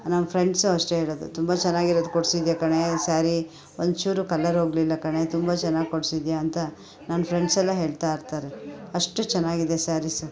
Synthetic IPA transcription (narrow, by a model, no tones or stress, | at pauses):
nɐmɐpʰɾeɳɖsuɐʂʈeɦe̞ːɭod̪ṵt̪umbɐt͡ʃɛnːaːɡiɾod̪koɽsid̪ijɐkɐɳe̞saːɾi | ond̪t͡ʃuːɾukɐlːɐɾɦo̞ːɡlilːɐkɐɳe̞t̪umbɐt͡ʃɛnːaːɡikoɽsid̪jaːnt̪ɐ | naːnpʰɾe̞ɳɖsɛlːɐɦe̞ːɭt̪aːiɾt̪aːɾeɐʂʈut͡ʃɛnːaːɡid̪esaːɾisu